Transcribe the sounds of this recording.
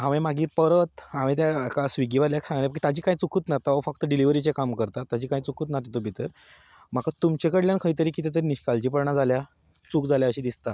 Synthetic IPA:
ɦaʋemaɡiːɾpəɾət̪amẽt̪̬jaakasʋiɡiʋaɾljaksãŋɡalepaki̥t̪ad͡ʑiːkajt͡sukʰuːt̪nat̪aəfək̚t̪əɖiliʋəɾit͡ɕekamkəɾt̪at̪ːad͡ʑiːkaĩt͡sukʰuːt̪nat̪it̪obʱit̪əɾ | m̤akat̪umt͡ɕekəɽljankʰəjt̪̬əɾiːkit̪ʰet̪əɾiniɕkalt͡ɕiːpəɾɳad͡zalja | t͡sukd͡zaljaəɕid̪ist̪a

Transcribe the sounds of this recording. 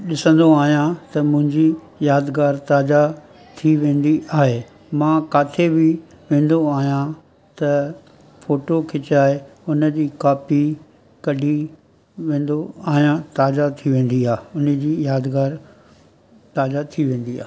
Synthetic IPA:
ɗɪsə̃nd̪oaːɦijãt̪ɐmʊ̃ɦɪ̃ɲd͡ʑi | jaːd̪ɡaːɾt̪aːd͡ʑa | t̪ʰiʋẽːn̆d̪iʔaːɦe | mãːkaːt̪ʰebɪ | ʋẽːn̆d̪oaːɦijã | t̪ɐ | foːʈokʰɪt͡ɕaːeʊnəd͡ʑiːkaːpi | kɐɗi | ʋẽːn̆d̪oaːɦijãt̪aːd͡ʑat̪ʰiʋẽːn̆d̪iaːɦʊnəd͡ʑiːjaːd̪ɡaːɾ | t̪aːd͡ʑat̪ʰiʋẽːn̆d̪ia̰ːɦ

